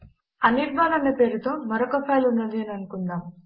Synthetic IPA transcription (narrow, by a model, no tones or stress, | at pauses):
ɐniɾbʱaːnɐnːɐpe̞ːɾut̪o̞ːmɐɾokɐpʰɐjlunːɐd̪iɐnɐnukund̪aːm